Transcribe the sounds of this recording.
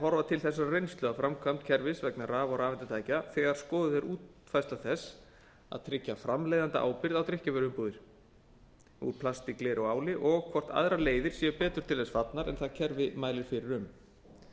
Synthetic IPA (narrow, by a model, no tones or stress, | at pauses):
ɦɔɾvat̪ʰɪlθɛs̬ːarejnst̪lœɣafɾamkʰvamt̪̚cʰɛɾvɪsvɛknaɾraːvaɾaːvɛnt̪ɪt̪ʰaːjcaθɛɣaɾ̥skɔːðʏðɛɾʔuːt̪ | fajst̪aθɛs | a̰ðt̪ʰɾɪcːafɾamleːjðant̪a̰ʔa̰ːwpɪɾðawt̪ʰɾɪhcavœɾʏmpuðɪɾ̥ | ṵɾpʰlast̪iklɛːɾɔɣaːwlɪʔɔɣkʰvɔr̥t̪a̰ðɾaleːjðɪɾ̥siːʏpɛːt̪ʏɾ̥t̪ʰɪlθɛsfat̪naɾɛ̰nθacʰɛɾvɪmaːjlɪɾ̥fɪɾɪɾʏm